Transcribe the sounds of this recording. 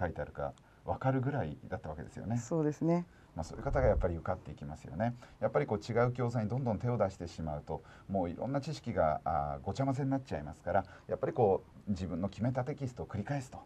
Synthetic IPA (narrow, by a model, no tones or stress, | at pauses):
kait̪eaɾɯ̟ka̰ | βakaɾɯ̟ɡɯ̟ɾaid̪at̪ːaβake̞d̪e̞sɨjo̞̰ne̞soːd̪esɨne | maːso̞ːjɯ̟kat̪aɡajapːaɾʲiɯ̟kat̪ːe̞ikʲimasɨjo̰ne̞japːaɾʲiko̞ːt͡ɕiɡaɯ̟kʲo̞ːs̬aɲ̟id̪õ̞nd̪õ̞nt̪e̞o̞d̪aɕi̥t̪e̞ɕimaɯ̟t̪o̞ | mo̞ːiɾõ̰nːat͡ɕiɕi̥kʲiɡa̰aɡo̞t͡ɕamas̬e̞ɲ̟inat̚t͡ɕaimasɨ̥kaɾajapːaɾʲiko̞ːd͡ʑibɯ̟̃nːo̞kʲime̞t̪at̪e̞kʲisɨ̥t̪o̞kɯ̟ɾʲikaesɨ̥t̪o̞̥